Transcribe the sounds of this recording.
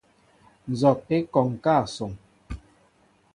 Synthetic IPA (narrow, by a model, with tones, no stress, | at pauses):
n̩˨zɔ˨t̚e˦kɔ˨ŋ˨kaː˦˨sɔ˨ŋ